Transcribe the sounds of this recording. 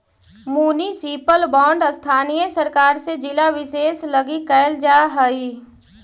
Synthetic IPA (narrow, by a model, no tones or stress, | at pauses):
muːnisiːpəlbɔ̃ːɳɖst̪ʰaːnijəsəɾkaːɾsed͡ʒɪlaʋɪseːsləɡikɛɪld͡ʒaːɦəiː